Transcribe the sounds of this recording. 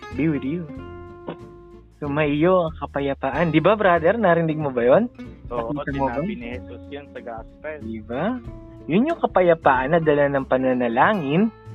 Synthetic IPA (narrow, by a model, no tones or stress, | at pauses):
biwɪd̪jo | somɐʔɪjoʔɐŋkɐpɐjɐpaːʔɐnd̪ɪbabɾad̪ɛɾnɐɾɪnɪɡ̚mobɐjonɐiːsɐmobɐnɛssʊnsɐɡaspɛd̪ɪba | jʊnjʊŋkɐpɐjɐpaːʔɐnːɐd̪ɐlanɐŋpɐnɐnɐlaːŋɪn